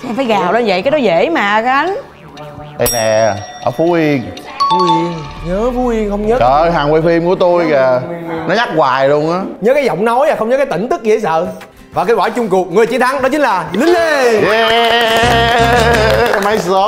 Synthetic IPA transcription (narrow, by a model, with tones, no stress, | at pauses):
sɛ˧mfaː˨˦jɣaː˨˩wlə˧nvə̰˧˨jʔkaː˨˦ɗɔ˨˦ze˧˩maː˨˩kːʔa˨˦n | ʔə˧nɛ˨˩ʔəː˧˩fu˨˦ʔi˧əŋ | fu˨˦i˧əŋɲəː˨˦fu˨˦hi˧əŋxə˧wŋ͡mɲəː˦˥əː˧˨˩ɦaː˨˩ŋwe˧fi˧mku˧˩ət̪o˧jɣɛ˨˩nɔ˨˦ɲa˦˥k̚ɣwaː˨˩jlu˧əŋʔaː˨˦ɲəː˨˦kaː˨˦jzɔ̰˧˨wŋ͡mnɔ˨˦ja˨˩xə˧wŋ͡mɲəː˦kaː˨˦jt̪ï˧˩ŋ̟t̪ɨ˦˥k̚ɣḭ˧˩˦sə̰ː˧˨ | vaː˨˩kaː˨˦jwaː˧˩jt͡ɕʊ˧ŋ͡mkʊ˨˩ək̚ŋɨ˨˩əjt͡ɕi˧˦ənt̪ʰa˨˦ŋɗɔ˨˦t͡ɕï˨˦ŋlaː˨˩li˨˦ŋle˧ | ma˨˧˦jo˨˦